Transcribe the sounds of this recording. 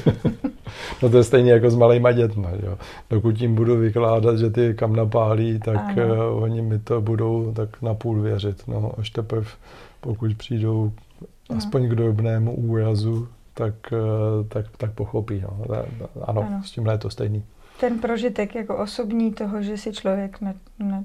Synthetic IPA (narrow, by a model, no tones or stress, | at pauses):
not̪̬ojɛst̪ɛjniːjak̬o̞zmalɛːmaɟɛt̪maʒɛ̰jo | d̥okut̪̬jɪmbuduvɪklaːdat̪ʒɛt̪ɪkamnap̬aːliːt̪akʔoɲɪmɪt̪o̞budo̞wt̪aknapuːlvjɛr̝ɪt̪no̰ʔaʃt̪ɛpɾɪfpokucpr̝̥iːdo̞w | aspo̞ɲɡdobnɛːmuʔuːɾazut̪akt̪akt̪ak̚po̞xo̞piːno̰ɛ̰ʔa̰noscɪmɦlɛjɛt̪ost̪ɛjniː | t̪ɛnpɾoʒɪt̪ɛkjakoʔosobɲiːt̪oɦoʒɛsɪt͡ʃlovjɛknɛ | nɛ